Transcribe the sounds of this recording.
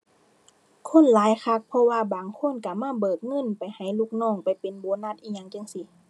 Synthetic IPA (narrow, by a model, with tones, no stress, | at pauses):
kʰo˧˥˨nlaː˨˦jkʰa˧k̚pʰɔ˧waː˧˨baː˨ŋkʰo˧˥˨nka˧˩maː˧˥˨bɤː˨˩k̪̚ŋɤ˧˥˨npa˨jha˨˩jluː˧˨k̚nɔː˧˥˨ŋpa˨˩jpe˨nboː˨˦na˧t̪̚ʔiː˧ɲa˧˨ŋt͡ɕa˧˨ŋsi˧˦